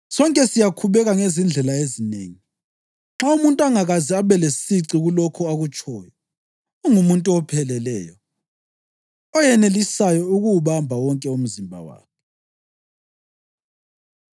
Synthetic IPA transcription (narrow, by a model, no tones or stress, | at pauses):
sɔŋkʼɛsijakʰuβɛɣaŋezind͡ɮʱɛlaezinḛːŋi | ŋ͡ǁaumuntʼaŋaɣaziaβɛlesiǀiɣulɔkʰɔaɣut͡ʃʼɔːjɔ | ɔŋumuntʼuɔpʰɛlɛlɛ̰ːjɔ | ɔjɛnelisajɔuɣuuβambʱawɔŋkʼɛum̩zimbʱa̰wa̰ːkʰɛ